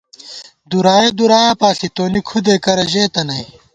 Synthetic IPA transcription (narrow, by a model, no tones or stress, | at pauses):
d̪uɾaːjed̪uɾaːapaːsit̪oːnikʰud̪eːkɐɾɐʑeːt̪ɐnɐj